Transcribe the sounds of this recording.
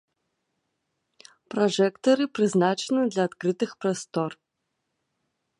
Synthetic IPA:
prɔʐɛkt̪ɐɾɨpɾɨznat͡ʂɛnɨd̪lʲaːt̪kɾɨt̪ɨxpɾɔst̪ɔr

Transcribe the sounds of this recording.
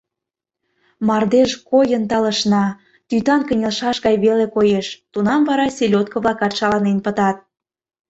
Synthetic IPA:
mɑrd̪eʃkojənt̪ɑlə̆ʃnɑ | t̪yt̪ɑnkə̆nʲelʃɑʃɣɑjβelekojeʃt̪unɑmvɑɾɑsʲelʲot̪̚kə̆βlɑkɑt̪ʃɑlɑnenpə̆t̪ɑt̪̚

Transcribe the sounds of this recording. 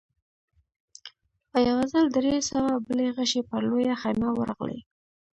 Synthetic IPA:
pəjawazəld̪ɾesəwabəleɣəʃepəɾlojaxajmawə̰ɾɑ̰ɣlḛ

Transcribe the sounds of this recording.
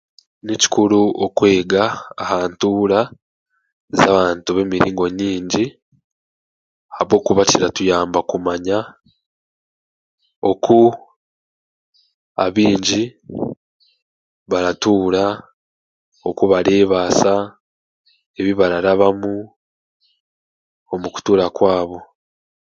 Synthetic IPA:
nici̥kuɾuokwe̞ːɡaːhaːntuːɾa | zaːβaːntuβe̞miɾḭːŋɡo̞ɲiːɲɟi | haβo̞ːkuβaciɾatujaːmbakumaɲa | o̞ku | a̰βiːɲɟi | βaɾatuːɾa | o̞kuβaɾe̞ːβaːsa | e̞βiβaɾaɾaβamu | o̞muku̥tuːɾakwaːβo̞

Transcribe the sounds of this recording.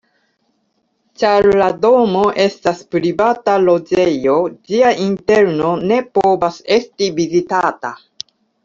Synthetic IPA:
t͡ʃaɾlado̞mo̞ʔe̞staspɾivatalo̞d͡ʒe̞jo̞d͡ʒiaʔinte̞ɾno̞ne̞po̞vase̞stivizitata̰

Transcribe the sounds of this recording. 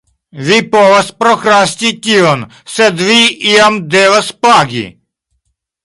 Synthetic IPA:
ʋipɔʋɐspɾɔkɾast̪ʲitʲion | sɛd̪ʋiiɐmd̪eːʋəspaːɡʲḭ

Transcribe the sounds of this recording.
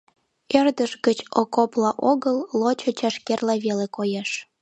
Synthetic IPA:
erd̪əʃɣət͡ɕokoplɑʔoɣəlːot͡ɕot͡ɕɑʃkerlɑβelekojeʃ

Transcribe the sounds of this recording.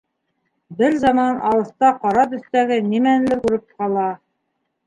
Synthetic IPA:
bɘɾzɑmɑnɑw̪ɤ̆θt̪ɑqɑɾɑt̪ɵ̆θt̪æɡɘnimænlɘkʉɾɘp̚qɑlˠɑ

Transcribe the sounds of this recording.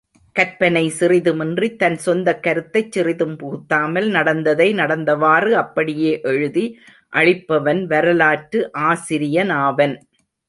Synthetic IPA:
kɐɾpɐnɐɪsɪrɪðɯmɪndrit̪ːɐnsɔnd̪ɐkːɐɾɯt̪ːɐɪt͡ʃːɪrɪðɯmpuːt̪ːaːmɐlnɐɽɐnd̪ɐðɐɪnɐɽɐnd̪ɐʋaːrɯɐpːɐɽɪjeːʔɛɻɯði | ʔɐɻɪpːɐʋɐnʋɐɾɐlaːʈɾɯʔaːsɪɾɪjɐnaːʋɐn

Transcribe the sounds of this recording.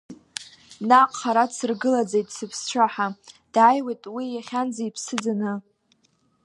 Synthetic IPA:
naqʼχaɾadsɨrɡɨlad͡zejtʼsɨpʰst͡ʃʷʰaħad̥ajwejtʼwijaχʲand͡zaipʰsɨd͡zanɨ

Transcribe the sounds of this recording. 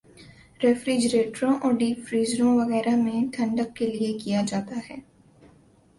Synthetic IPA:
ɾefɾiːd͡ʒɾeːʈɾõʔɔːɾɖiːfɾiːzɾõʋɐɣɛːɾamẽt̪ʰɐ̃ɳɖəkːeliekijad͡ʒaːt̪aɦɛː

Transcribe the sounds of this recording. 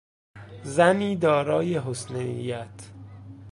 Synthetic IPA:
zæniːd̪ɒːɾɒːje̞ɦosnejæt̪ʰ

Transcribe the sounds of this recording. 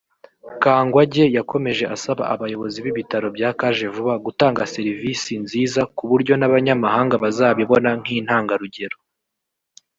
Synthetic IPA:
kaːŋɡwaɟe̞jako̞me̞ʒe̞ʔasaβa̰ʔaβajo̞βo̞ziβiβitaɾo̞bjaːkaʒe̞vuβaɡutaːŋɡase̞ɾivisinziːzakuβuɾɟo̞naβaɲamaɦaːŋɡaβazaːβiβo̞naŋ̥iːn̥haːŋɡaɾuɟe̞ɾo

